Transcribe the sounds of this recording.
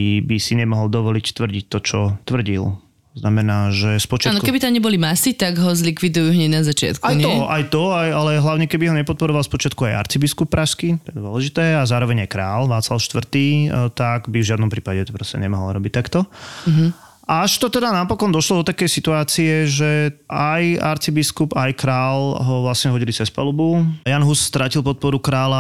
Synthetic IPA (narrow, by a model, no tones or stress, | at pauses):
bisiɲɛmɔɦɔlˠd̪ɔʋɔlict̪ʋr̩ɟic̚t̪ɔt͡ʃɔt̪ʋr̩ɟḭl | znamɛnaːʒɛspɔt͡ʃɪanɔkɛbit̪amɲɛbɔlimasit̪aɡɦɔzlikʋid̪ujuɦɲɛɟnazat͡ʃɪa̰t̪kaujɲɔʔajt̪ɔajalɛɦlaʊɲɛkɛbiɦɔɲɛpɔt̪̚pɔɾɔʋalspɔt͡ʃɪat̪kuajʔa̰ɾt͡sibiskup̚ːɾaʃskit̪ɔjɛd̪ʋɔlɛʒit̪ɛːazaːɾɔʋɛɲajkɾaːlʋaːt͡slaʊʃt̪ʋr̩t̪iːt̪aɡbivʒɪad̪nɔmpɾiːpaɟɛpɾɔscɛ̰ɲɛ̰maɦl̰ɾɔbic̚t̪akt̪ɔ | ʔaʃt̪ɔt̪ɛd̪anapɔkɔnd̪ɔʃlɔd̪ɔt̪akɛjsit̪uaːt͡siɛʒɛaja̰ɾt͡sibiskubajkɾaːlɦɔʋlasɲɛɦɔɟilit͡sɛspa̰lubujanɦusst̪ɾacilˠpɔt̪̚pɔɾukɾaːla